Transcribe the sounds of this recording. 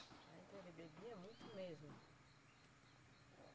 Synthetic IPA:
aĩt̪elebebiɐmũj̃t̪ʊmezmʊ

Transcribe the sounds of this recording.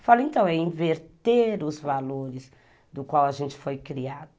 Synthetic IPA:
falẽnt̪ɐ̃w̃ɛĩveɾt̪eɾʊzvaloɾɪz | d̪ʊkwawɐʒẽnt͡ʃɪ̥fojkɾiad̪ʊ

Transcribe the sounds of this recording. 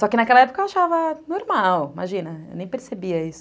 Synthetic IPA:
sɔkɪnakɛlɐɛpokɐewaʃavɐnoɾmawima̰ʒĩnɐḛwnẽj̃peɾsebiɐisʊ

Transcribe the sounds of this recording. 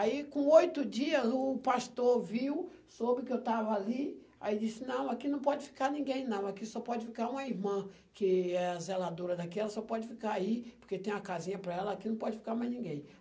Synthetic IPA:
aikõojt̪ʊd͡ʒiɐzʊpaʃt̪oɾviw | sobɪkɪewt̪avɐali | a̰id͡ʒisɪnɐ̃w̃akinɐ̃w̃pɔd͡ʒɪfi̥kanĩɡẽj̃nɐ̃w̃akisɔpɔd͡ʒɪfikaɾũmɐiɾmɐ̃ | kɪɛazelad̪oɾɐd̪akiɛlɐsɔpɔd͡ʒɪfikaaipoɾket̪ẽj̃ɐkazĩɲɐpɾɐɛlɐakinɐ̃w̃pɔd͡ʒɪfi̥kamajznĩɡẽj̃

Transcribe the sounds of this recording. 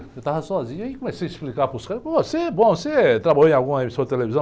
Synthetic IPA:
et̪avɐsɔzĩɲɐikõmesejɐisplikapuskaɾpɐ̃vosebõset̪ɾabaʎoẽawɡũmɐemisɐ̃d̪ɪt̪elevizɐ̃w

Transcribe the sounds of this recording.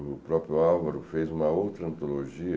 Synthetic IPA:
ʊpɾɔpɾjʊawvɐɾʊfejzũmɐowt̪ɾɐɐ̃nt̪oloʒiɐ

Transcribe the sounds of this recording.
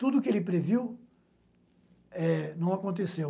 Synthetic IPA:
t̪ud̪ʊkɪelɪpɾeviw | ɛnɐ̃w̃akõnt̪̬esew

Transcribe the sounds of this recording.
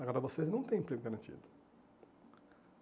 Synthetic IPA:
aɡɔɾɐvoseznɐ̃w̃t̪ẽj̃pɾiɡʊɡaɾɐ̃nt͡ʃḭd̪ʊ

